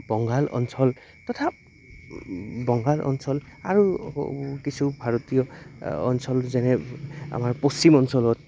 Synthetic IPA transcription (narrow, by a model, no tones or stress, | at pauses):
bɔŋɡalʔɔ̰nsɔl | tɔtʰap̚ | bɔŋɡalʔɔ̰nsɔlaɹu | kisʰubʱaɹɔtijɔ̰ːnsɔlzɛnɛa̰maɹpost͡ʃimɔnsɔlɔt̚